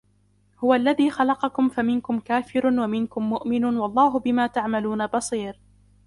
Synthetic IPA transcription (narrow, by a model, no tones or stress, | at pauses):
hʊwaʔlːaðiːxɑlɑqɑkʊmfamɪnkʊmkaːfɪɾʊwamɪnkʊmːʊʔmɪnuːnwɑlˤːɑːɦʊbɪmaːt̪aʕmaluːnabɑsˤiːɾ